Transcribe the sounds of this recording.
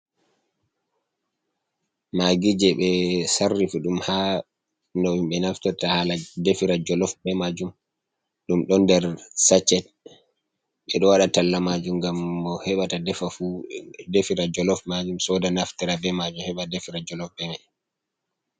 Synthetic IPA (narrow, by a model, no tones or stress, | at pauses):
maɡid͡ʒɛɓɛsarːifiɗumha | nɔwimɓɛnaftɔtahaladefiɾad͡ʒɔlɔfbɛmad͡ʒum | ɗumɗɔndɛɾsat͡ʃːɛt | ɓɛɗɔwaɗatalːamad͡ʒumɡamːɔhɛɓatadɛfafudefiɾad͡ʒɔlɔfmad͡ʒumsɔdanaftiɾabɛmad͡ʒumhɛɓadefiɾad͡ʒɔlɔfbɛna